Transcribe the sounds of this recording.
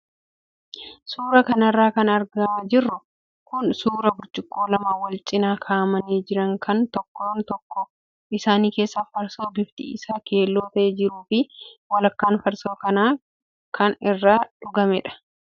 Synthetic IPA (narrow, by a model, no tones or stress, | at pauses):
suːɾɐkɐnɐrːaːkɐnɐɾɡɐd͡ʒɪrːʊ | kʊnsuːɾɐbʊɾt͡ʃʼɪkʼːo̞ːlɐmaːwɐlt͡ʃʼɪnaːkʰaːmɐniːd͡ʒɪɾɐŋkʰɐnt̪ɔkːoːnt̪ɔkːɔ | ɪsaːniːkeːsːafɐɾsoːbɪft̪ɪ̰ʔɪ̰saːke̞ːlːo̞ːt̪ɐʔed͡ʒɪɾuːfɪwɐlɐkːaːnfɐɾso̞ːkɐnaː | kʰɐnɪrːaːᶑʊɡɐmɛᶑɐ̥